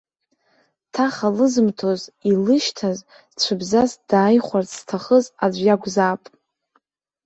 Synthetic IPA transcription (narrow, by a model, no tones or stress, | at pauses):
tʰaχalɨzɨmtʰo̞zilɨʃtʰaz | t͡ɕʷʰɨbzazd̥aːjχʷarstʰaχəzad͡ʒʷjaɡʷzaːpʼ